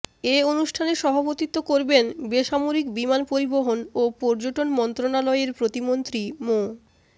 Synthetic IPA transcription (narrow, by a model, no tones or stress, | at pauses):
eonuʃʈʰaneʃɔbʱapot̪it̪ːokoɾbenbeʃamoɾikbimanpoɾiboɦonopɔɾd͡ʑoʈonmɔnt̪ɾonalɔeɾpɾot̪imont̪ɾimo